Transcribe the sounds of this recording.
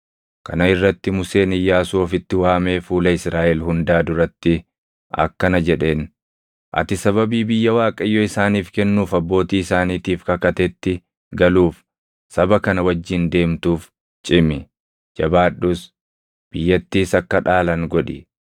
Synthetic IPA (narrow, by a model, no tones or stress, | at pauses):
kɐnɐɪrːɐt̪ːɪmʊse̞ːnɪjːaːsoːfɪt̪ːɪwaːme̞ːfuːlɐɪsɾaːʔɛlɦʊnd̪aːd̪ʊɾɐt̪ːɪ | ʔɐ̰kːɐnɐd͡ʒɛᶑe̞ːn | ʔɐ̰t̪ɪsɐβɐbiːbɪjːɐwaːkʼɐjːoɪsaːniːfkɛnːuːfɐbːo̞ːt̪iːɪsaːniːt̪iːfkɐkɐt̪ɛt̪ːɪ | ɡɐluːf | sɐbɐkɐnɐwɐd͡ʒːɪnd̪e̞ːmt̪uːf | t͡ʃʼɪmɪ | d͡ʒɐbaːᶑːʊs | b̥ɪjːɐt̪ːiːsɐkːɐᶑaːlɐŋɡɔᶑɪ